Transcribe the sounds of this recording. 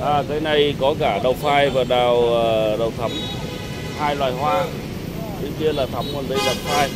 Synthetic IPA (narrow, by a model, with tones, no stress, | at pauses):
ʔaː˨˩kaː˨˦jna˨˩jkɔ˨˦kaː˧˩ɗə˨˩wfaː˧jvaː˨˩ɗaː˨˩wə˨˩ɗə˨˩wt̪ʰə˨˦m | haː˧jlwaː˨˩jɦwaː˧ | ki˨˦ki˧əlaː˨˩t̪ʰə˨˦mku˨˩ənɗə˨˧˩jɗə˨˩p̚faː˧j